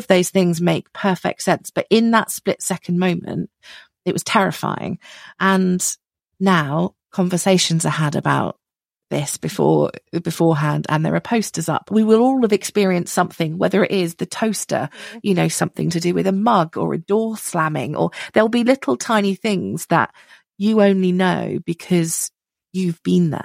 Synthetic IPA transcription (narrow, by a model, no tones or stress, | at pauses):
ʌvðəʊz̥θɪ̃ŋzmeɪk̚pʰɜˑfɛ̰k̚tsɛ̃nsb̥ʌɾʔɪ̃nðətsplɪtsɛkʰə̃nmə̃ʊ̃mə̰̃nt | ɪʔ̚wʌz̥tʰɛɹɪfa̰ɪɪ̰̃ŋʔə̃n | naʊ | kʰɒ̃ɱvəseɪʃə̃nzaɪəɾə̰baʊʔ̪̚ | ðɪsb̥ɨfɔ̰bɪfɔːɦæ̃ndə̰̃nðə̰ɹʔəpʰəʊstəzʌ̰pwiwɪlɔlˠəvɨkspɪəɹiə̃nstsʌ̃mθɪ̃ŋwɛ̰ðəɹɪ̰ʔɪzðɨtʰəʊstə̰jɨnəʊsʌ̃mθɪ̰̃ŋtʰɨdɨwɪðəmʌɡə̰ɹə̰dɔɹslamɪ̰̃ŋʔə̰ðəlˠbilɪtʰˡl̩ˠtʰãɪ̃niθɪ̃ŋz̥ðə̰ʔ | əə̃ʊ̃nlinəʊb̥ɨkʰɒz̥ | jʉvbĩnðə̰